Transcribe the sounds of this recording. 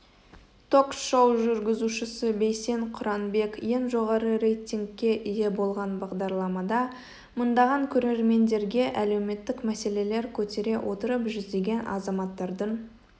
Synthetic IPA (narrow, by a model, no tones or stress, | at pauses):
t̪ʰo̞ksʃowʒʏɾɡʲɪzuʃɪsəbejse̞ŋqʰʊɾɑnbe̞kje̞nʒo̞ʁɑɾəɾejt̪ʲiŋɡʲːe̞ʔij̪e̞bo̞lˠʁɑnbɑʁd̪ɑɾlˠɑmɑd̪ɑ | mənd̪ɑʁɑŋkʲʰɵɾe̞ɾme̞nd̪e̞ɾɡʲe̞ʔæle̞wme̞t̪ːɪkmæse̞le̞le̞ɾkʲʰɵt̪e̞ɾe̞wʔo̞t̪əɾəpʒʏzd̪e̞ɡʲe̞nɑ̰zɑmɑt̪ːɑɾd̪əɴ